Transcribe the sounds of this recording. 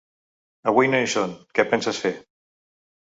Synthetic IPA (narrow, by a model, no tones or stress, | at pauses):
əwinoʃonkɛpɛnsəsfe